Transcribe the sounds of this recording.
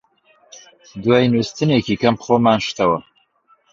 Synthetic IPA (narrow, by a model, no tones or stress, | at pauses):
d̪wajnust̪ɨneːkʰikɐmpχoːmaːnʃt̪ɐwɐ